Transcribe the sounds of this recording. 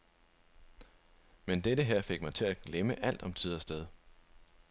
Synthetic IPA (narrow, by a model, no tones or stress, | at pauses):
mend̥eɾəɦeɐ̰fe̝ɡ̥̚mɑ̈ɪt͡sʰe̝læɡ̥leməʔæl̰d̥ɒ̽mt͡sʰiðˠɐsd̥eð̞ˠ